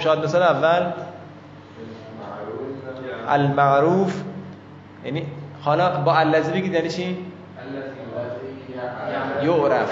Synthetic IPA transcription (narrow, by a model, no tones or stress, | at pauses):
ʃɒd̪mesɒleævːæl | ʔælmæʔɾuːf | jæ̰nihɒlɒbɒːælːæzibeɡid̪jæːniːt͡ʃʰiː | joʔɾæf